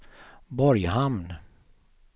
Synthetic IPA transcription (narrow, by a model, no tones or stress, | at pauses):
bɔɾjhamn